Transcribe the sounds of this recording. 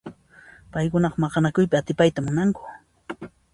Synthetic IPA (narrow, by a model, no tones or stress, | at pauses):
pajkʊnɑqɑmɑqɑnakʊjpɪat̪ɪpajt̪amʊnaŋkʊ̥